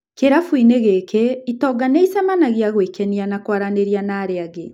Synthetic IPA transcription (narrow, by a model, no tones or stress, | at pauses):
keɾafwineɣekɛitɔɡaneisamanaɣejaɣwekɛnianakwaɾaneɾjanaːɾeaɣe